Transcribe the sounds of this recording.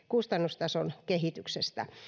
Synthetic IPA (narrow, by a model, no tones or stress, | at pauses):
kust̪ɑnːust̪ɑsonkehit̪yksest̪æ̰